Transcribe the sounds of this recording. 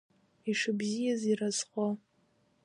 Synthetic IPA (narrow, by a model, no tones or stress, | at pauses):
iʂɨbzijazirazχʷo